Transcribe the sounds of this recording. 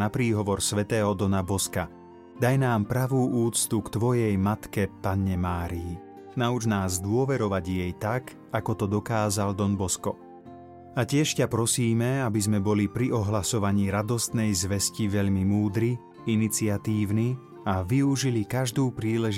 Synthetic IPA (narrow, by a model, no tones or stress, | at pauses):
napɾiːɦɔʋɔɾsʋɛt̪ɛːɦɔd̪ɔnabɔska | d̪ajnaːmpɾaʋuːʔuːt͡st̪ukt̪ʋɔjɛjmat̪kɛpaɲɛmaːɾiji | naud͡ʒnaːzd̪ʊɔʋɛɾɔʋaɟjɛjt̪ak | akɔt̪ɔd̪ɔkaːzald̪ɔnbɔskɔ | acɪɛʃcapɾɔsiːmɛabizmɛbɔlipɾiɔɦlasɔʋaɲiːɾad̪ɔst̪nɛjzʋɛsciʋɛʎmimuːd̪ɾi | init͡sɪat̪iːʊni | aʋiuʒilikaʒd̪uːpɾiːlɛʒ